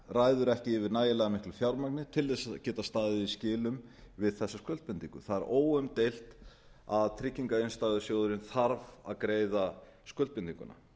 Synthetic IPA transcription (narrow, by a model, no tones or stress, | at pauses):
raːjðʏɾɛhcɪːvɪɾnaːjɪlɛɣamɪhklʏfjawɾmaknɪt̪ʰɪlðɛsaðcɛːt̪ast̪aːðɪiscɪːlʏmvɪðθɛsːaskœlt̪pɪnt̪iŋkʏθaðɛɾʔoːwʏmt̪ejl̥t̪ | aðt̪ʰɾɪcːiŋkaejnst̪aːjðʏsjoːwðʏɾɪnθaɾvaðkɾeːjðaskœlt̪pɪniŋkʏ̰na̰